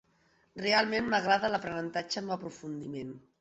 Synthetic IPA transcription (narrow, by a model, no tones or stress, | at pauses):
realˠmenməɣɾaðələpɾənənt̪ad͡ʒəməpɾufund̪imen